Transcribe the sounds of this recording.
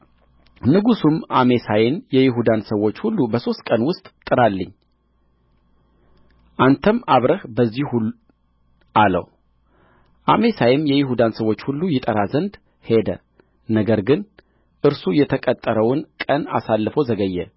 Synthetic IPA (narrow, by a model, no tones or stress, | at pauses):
nɨɡusumʔamesajenjɛjɪɦud̪ansəwo̞t͡ʃːhulːubəso̞st̪̚kʼənwʊst̪ʼt̪ʼːɨɾalːɨɲː | ʔant̪ʰəmaβɾəhbəzːihu | alə̰w | ʔame̞sajɪmjɛjɪɦud̪ansəwo̞t͡ʃːhulːujɪt̪ʼəɾazənd̪ | he̞d̪ə̰ | nəɡəɾɡɨn | ʔɨɾsujɛt̪ʰəkʼət̪ʼːəɾəwʊnkʼəna̰salːɨfəwzəɡəjːɛ̰